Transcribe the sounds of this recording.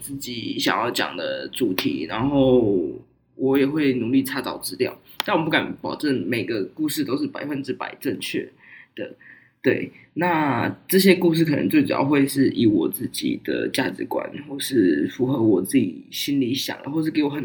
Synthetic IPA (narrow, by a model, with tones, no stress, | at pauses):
t͡sɹ̩˥˩t͡ɕi˨˩˦ɕjɑ̰˨˩ŋjɑ˥˩ʊt͡ɕjɑ̰˨˩ŋd̪ə̰˧˦t͡su˨˩t̪ʰḭ˨˦na˧˥nxo˥˩ʊ | wʔɔ˧˦jɛ˨˩xwe˥˩ɪnu˧˥ŋli˥˩ʈ͡ʂʰa˥t͡sɑ̰˨˩ʊʈ͡ʂɻ̩˥ljɑ̰˥˩ʊ | na˥˩nwp̬u˥˩ka˨˦npɑ˨˩ʊʈ͡ʂə˥˩ŋme˨˩ɪɡə˦ku˥˧ʂɻ̩˥˩t̪o˥ʊʂɻ̩˥˩pa˨˩ɪfə˧nʈ͡ʂɻ̩˥pa̰˨˩ɪʈ͡ʂə˥˧ŋt͡ɕʰɥɛ̰˥˩ | d̪̥ə̰˨˩ | t̪we˥˩ɪna˥˧ʈ͡ʂə˥˧˩ɕ̬jɛ˦˥ku˥˧ʂ̬ɻ̩˥˩kʰə˨˩nə˧˦ŋt͡swe˥˩ɪʈ͡ʂṵ˨˩jɑ̰˥˧ʊxwe˥˧ɪʂɻ̩˥˩ʔi˧˥wɔ̰˨˩t͡sɹ̩˥˩t͡ɕḭ˨˩d̪̥ə̰˧˩t͡ɕja˥˧ʈ͡ʂɻ̩˧˥kwa̰˧˦nxwɔ˥˩ʂɻ̩˥˩fu˧˥xɤ˧˦wɔ˨˩t͡sɹ̩˥˩t͡ɕḭ˨˩ɕi˥nli˧˥ɕjɑ̰˨˩ŋd̪ə˦xwɔ˥˧ʂɻ̩˥˩ke˧˥ɪwɔ˧˥xə˨˩n